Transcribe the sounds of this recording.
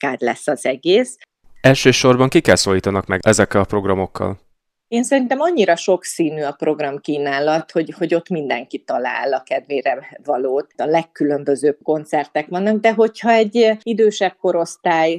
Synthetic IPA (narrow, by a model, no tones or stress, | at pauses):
kaːd̪lɛ̰sːɒzɛɡeːs | ɛlʃøːʃo̞rbɒŋkikːɛlsoliːt̪ɒnɒkmɛɡɛzɛkːɛlɒpro̞ɡrɒmokʰːɒ̰l | eːnsɛɾint̪ɛmɒɲːiɾɒʃo̞ksiːnyːɒpro̞ɡrɒmkiːnaːlɒt̪ho̞ɟho̞ɟo̞t̪mind̪ɛŋkit̪ɒla̰ːlɒkɛd̪ʋeːɾɛvɒloːt̪ɒlɛkːylø̞mbø̞zøːb̚ko̞nt̪sɛrt̪ɛkʋɒnːɒɡ̚d̪ɛɦo̞chɒɛɟːid̪øːʃɛb̚ko̞ɾo̞st̪aːj